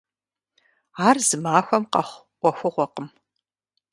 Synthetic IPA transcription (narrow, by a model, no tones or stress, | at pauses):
aːrzɨmaːxʷɐmqɐχʷ | qʷɔxʷʊʁʷɔqəm